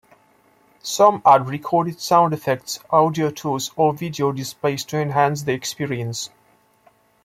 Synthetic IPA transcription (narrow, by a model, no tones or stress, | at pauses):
sʌ̃madɹikʰɔɾɪd̥sãʊ̃ndɛfɛk̚tsʔaʊdiotʰusɔvidiodɪspeɪstʰuɛ̃nɦæ̃ns̬ðiɛkspiɹiə̃ns